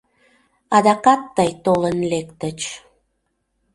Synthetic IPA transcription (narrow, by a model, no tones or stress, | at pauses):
ɑd̪ɑkɑt̪ːəjt̪olənlekt̪ət͡ɕ